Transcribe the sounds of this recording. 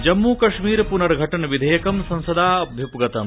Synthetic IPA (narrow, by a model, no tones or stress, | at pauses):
d͡ʒɐmːuːkɐʂmiːɾpunɐɾɡʱɐʈɐnɐʋid̪ʱɐjɐkɐmsɐ̃nsɐd̪aːɐbʱjɐpɡɐt̪ɐm